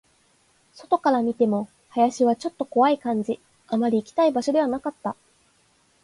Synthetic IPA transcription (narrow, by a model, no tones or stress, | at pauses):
so̞t̪o̞kaɾamʲit̪e̞mo̞ | hajaɕiβat͡ɕo̞t̪ːo̞ko̞βaikãɲ̟d͡ʑi | amaɾʲiːkʲi̥t̪aibaɕo̞d̪e̞βanakat̪ːa